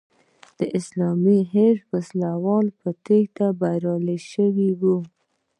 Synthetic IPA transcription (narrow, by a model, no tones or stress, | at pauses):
d̪̥əʔɪslɑmiɦeɾwaslawɑlpət̪eɡt̪abaɾɑləʃəwiwu